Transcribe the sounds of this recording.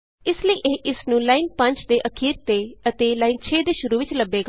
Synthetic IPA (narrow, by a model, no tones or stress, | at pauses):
ɪsləiːʔeːʔɪsnũːlaːiːnpə̃ɲt͡ʃd̪eːʔəkʰiːɾt̪eːət̪eːlaːiːnt͡ʃʰeːd̪eːʃʊɾuːʋɪt͡ʃləbːeːɡa